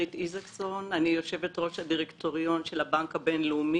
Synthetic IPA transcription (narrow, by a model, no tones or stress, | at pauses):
itizakso̞nanijo̞ʃe̞vetʁo̞ʃhadiʁekto̞ʁijo̞nʃe̞labaŋkabe̞nleumi